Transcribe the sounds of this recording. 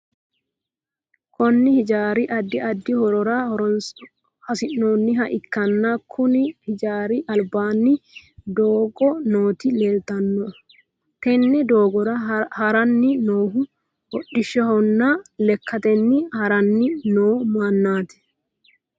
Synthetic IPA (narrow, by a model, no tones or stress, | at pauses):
kɔnːɪhɪd͡ʒaːɾɪʔɐd̪ːɪɐd̪ːɪhɔɾɔɾahɔɾɔ | hɐsɪnːoːnːɪɦɐʔɪkːɐnːɐkʰːʊnɪhɪd͡ʒaːɾɪʔɐlbaːnːɪd̪oːɡɔnoːt̪ɪleːlt̪ɐnːɔ | kɛnːɛd̪o̞ːɡɔɾɐhɐɾɐnːɪnoːɦʊ | hɔɗːɪʃːɛhɔnːɐlɛkːɐt̪ɛnːɪhɐɾɐnːɪnoːmaːnːaːt̪ɛ̥